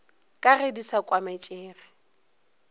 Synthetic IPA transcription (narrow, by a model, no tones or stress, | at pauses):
kʼaredisakʼwamat͡ʃʼeːfɪ̥